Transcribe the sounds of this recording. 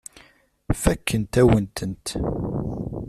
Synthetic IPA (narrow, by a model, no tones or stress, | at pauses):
fækːənt̪æwənt̪ənt̪